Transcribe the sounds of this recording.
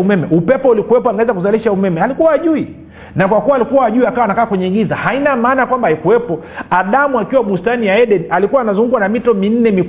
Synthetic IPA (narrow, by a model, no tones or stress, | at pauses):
umɛmɛʔupɛpɔulikuwɛpɔaŋɡawɛzakuzaliʃaumɛmɛalikuwaːʄui | nakwakuwaːlikuwaːʄuiakawanakaːkwɛɲɛiŋɡiza̰hainamaːnakwambaikuwɛpɔaɗamuakiwaɓustanijaɛɗɛnialikuwaːnazuŋɡukwanamitɔmin̩nɛmi